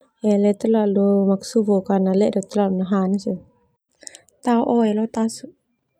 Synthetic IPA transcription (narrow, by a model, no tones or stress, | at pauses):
ɛlɛt̪əlalumaksuvukanalɛʔdɔt̪lalunaɦanasu | t̪auʔɔɛlɔt̪asu